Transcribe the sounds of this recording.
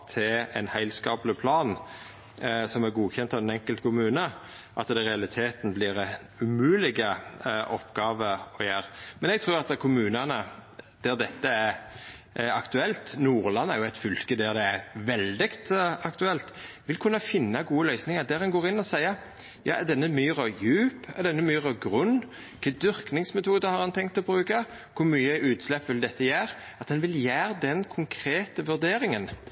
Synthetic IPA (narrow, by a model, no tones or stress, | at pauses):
t̪ʰɪɛ̰nhæɪlskɑːblɪpʰlɑːn | sɔmæɾɡuːçɛnt̪ɑʋɛnɛŋkəlt̪kʰʊmʉːnə | ʔɑt̪d̪ɛɾɛɑlɪt̪ʰeːt̪n̩blɪɾɛ | ʉmʉːlɪɡəʔɔpːɡɑːʋəɾɔjæːɾmɛnɛɡt̪ʰɾʉːɾɑt̪kʰʊmʉːnɑnəd̪̥æɾd̪ɛt̪ːəæɾ | ɑkt̪ʉɛlt̪nuːʁlɑnːæɾjʊæt̪fʏlkəd̪æɾd̪ɛæɾʋɛld̪ɪkt̪ɑkt̪ʉɛlt̪ | ʋɪlkʰʉnːɑfɪnːɑɡuːəlœʏsnɪŋɑd̪æɾɛnɡoːɾɪnːɔsæɪəɾ | jɑ̰ːɛd̪ɛnːəmyːɾɑjʉːpɛd̪ɛnːəmyːʁɑɡʁʉnː | kʰɛd̪ʏɾknɪŋsmɛt̪ʰuːd̪əhɑɾhɑnt̪ʰɛŋkt̪ɔbɾʉːkɑ | kʰʊɾmyːəʔʉːt̪slɛpːʋɪld̪ɛt̪ːəjæːɾ | ɑt̪d̪ɛnʋɪljæːʁəd̪ɛnkʰʊŋkʰʁeːt̪əʋʉɾd̪eːɾɪŋən